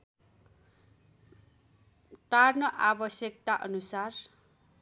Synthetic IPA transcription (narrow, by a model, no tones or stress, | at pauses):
t̪arnʌʔabʌsjʌk̚t̪aʔʌnusar